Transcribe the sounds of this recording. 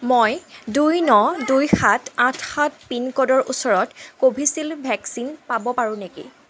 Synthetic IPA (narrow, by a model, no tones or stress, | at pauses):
mojdujnɔdujxatãtʰxat̚pinkɔdɔɹʔusɔɹɔtkobʱisilbʱɛksinpabɔpaɹʊ̃nekḭ